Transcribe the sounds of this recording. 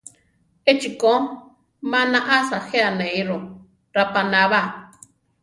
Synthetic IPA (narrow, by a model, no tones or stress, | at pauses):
et͡ʃiko | mãnãʔasaheanejɾo | ɾapanaβa